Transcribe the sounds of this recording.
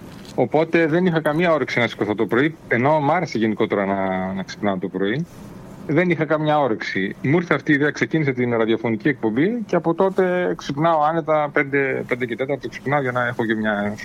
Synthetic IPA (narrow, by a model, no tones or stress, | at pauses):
o̞po̞t̪e̞ðe̞nixɐkɐmiɐo̞ɾeksinɐsi̥skoθot̪opɾo̞ie̞no̞mɐɾese̞ʝe̞niko̞t̪e̞ɾɐnɐnɐksi̥pnɐot̪o̞pɾo̞i | ðe̞nixɐkɐmɲɐo̞ɾeksimuuɾθeɐft̪iːðeɐkse̞cinise̞t̪inɾɐðiofo̞nicie̞k̚po̞mbiceɐpo̞t̪o̞t̪e̞ksipnɐoɐne̞t̪ɐpe̞nd̪e̞pend̪ece̞t̪e̞t̪ɐɾt̪oksi̥pnɐoʝɐnɐe̞xocemɲɐ